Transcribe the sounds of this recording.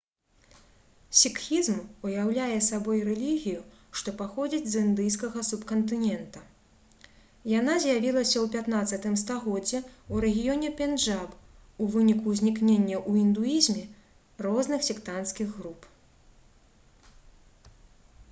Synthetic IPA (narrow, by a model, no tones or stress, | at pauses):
sʲikxʲizmujawlʲajɛsabɔjrɛlʲiɣʲiju | ʂt̪ɔpaxɔd͡zʲid͡zʲzɨnd̪ɨjskɐɣɐsupkɐnt̪ɨnʲɛnt̪ɐ | janazʲjavʲilˠɐsʲɐwpʲat̪nat̪sːɐt̪ɨmst̪aɣɔd͡zʲːɛuɾɛɣʲijɔnʲɛpʲɛnʐapuvɨnʲikuzʲnʲiknʲenʲːɐʔuind̪uizʲmʲɛ | rɔznɨxsʲikt̪anskʲiɣɣɾup